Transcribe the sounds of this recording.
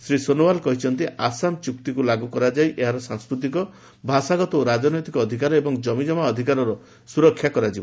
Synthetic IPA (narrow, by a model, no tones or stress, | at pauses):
sɾisonowalkɔɦit͡ʃʰɔnt̪iasamt͡ʃukt̪ikulaɡukɔɾad͡ʒajʔeɦaɾɔsaŋskɾut̪̬ikɔ | bʱasaɡɔt̪ɔoɾad͡ʒɔnɔjt̪ikɔːd̪ʱikaɾɔebɔŋd͡ʒɔmid͡ʒɔmaɔd̪ʱikaɾɔɾɔ | suɾɔkʰːjakɔɾad͡ʒibɔ